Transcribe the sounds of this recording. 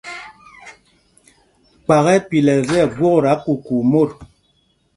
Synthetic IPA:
k͡pa˨ɣɛ˦pi˨lɛ˨zɛ˦˨ɡwo˦ɣɾa˨˦ku˨ku˨mo˦˨t̚

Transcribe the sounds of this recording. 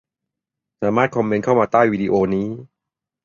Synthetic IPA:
saː˩˦maː˥˩t̪̚kʰɔ˧mːe˦˧nkʰa˥˩wmaː˧t̪aː˥˩jwiː˧di˧ʔoː˧niː˦˥

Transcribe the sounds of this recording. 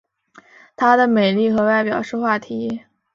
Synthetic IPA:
t̪ʰa˥d̪ə˨me˨˩ɪli˥˩xɤ˧˥wa˥˩ɪpjɑ˨˩ʊʂɻ̩˥˧xwa˥˩t̪ʰi˧˥

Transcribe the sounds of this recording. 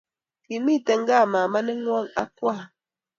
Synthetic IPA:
ki˨mi˦˨tɛ˨ŋ̩˦ɡa˦˨ma˨ma˦nɛ˦ŋwɔ˦˨ŋa̰˦kwa˦˨

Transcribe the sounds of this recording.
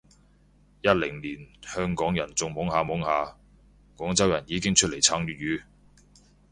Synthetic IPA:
jɐ˥t̚lɪ˨˩ŋliː˨˩nhœː˥ŋkɔː˨˥ŋjɐ˨˩nt͡sʊ˨˧ŋmʊ˨˥ŋhaː˧mʊ˨˥ŋhaː˧ | kwɔː˨˥ŋt͡sɐ˥wjɐ˨˩njiː˨˧kɪ˥ŋt͡ʃʰɵ˥t̚le˨˩jt͡sʰaː˨˥ŋjyː˨t̚ɥyː˨˧

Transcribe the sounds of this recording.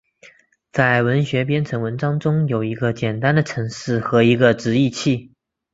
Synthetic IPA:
t͡sa˥˩ɪwə˧˥nɕɥɛ˧˥p̬jɛ˥nʈ͡ʂʰɤ˧˥ŋwə˧˥nʈ͡ʂɑ˥ŋʈ͡ʂʊ˥ŋjo˨˩ʊi˧˥ɡə˧t͡ɕjɛ˨˩nt̪a˥nd̪ə˨ʈ͡ʂʰɤ˧˥ŋʂɻ̩˥˩xɤ˧˥i˧˥ɡə˧ʈ͡ʂɻ̩˧˥i˥˧t͡ɕʰi˥˩

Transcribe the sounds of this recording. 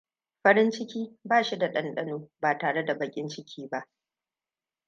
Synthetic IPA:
ɸɐ˦ɽɪ˦nt͡ʃɪ˦kʲiː˦baː˦˨ʃi˦da˨ɗɐ˦nɗɐ˦noː˦baː˨taː˨ɽe˦da˨bɐ˨kʲʼɪ˦nt͡ʃɪ˦kʲʰiː˦ba˦ʔ

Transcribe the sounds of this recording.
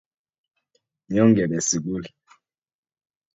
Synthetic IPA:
ɲɔ˦ŋɡɛ˨nɛ˨si˨ɡu˦l

